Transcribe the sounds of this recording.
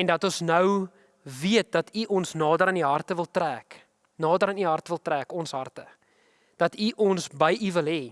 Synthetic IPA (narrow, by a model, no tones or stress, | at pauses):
ɛndɐtɔnsnəw | viət̚dɐtʰiʔɔnsnɑːdəɾəniɦɐrtəvəlˠtræːk | nɑːdəɾəniɦɐrtəvəlˠtræːkɔnsɦɐrtə | d̥ɐtʰiʔɔnsbəjʔivəlɦɛ